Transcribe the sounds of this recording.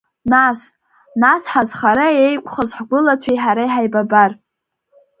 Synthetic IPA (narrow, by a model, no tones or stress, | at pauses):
nas | nasħazχaɾaejkʷʼχəzħɡʷʊlat͡ɕʷʰajħaɾajħajbabar